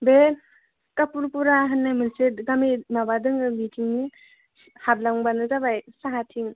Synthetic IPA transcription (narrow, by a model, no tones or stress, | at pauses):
be | kapuɾpuɾaɦɯnːajmɯnsetɡaminabadɯŋɯmitʰiŋni | hablaŋbanɯzabajsaɦatʰiŋ